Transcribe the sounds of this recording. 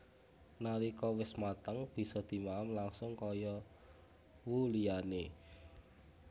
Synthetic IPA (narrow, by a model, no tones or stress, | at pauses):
naɾikɔwɪsmat̪əŋb̥i̤sɔd̪̥i̤maamlaŋsʊŋkɔjɔ | wulijane